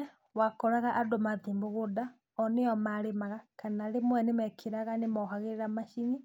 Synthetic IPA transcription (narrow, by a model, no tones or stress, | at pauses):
wakɔɾaɣaʔadomaðiːmboɣoda | ɔneɔmaɾemaɣakanaɾemwɛnemɛkʰeɾaɣanemɔɦaɣeɾeɾamaʃiɲi